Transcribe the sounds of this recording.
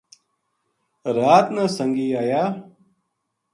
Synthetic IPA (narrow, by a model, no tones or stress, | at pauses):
ɾaːt̪nasəŋɡiːaːjaː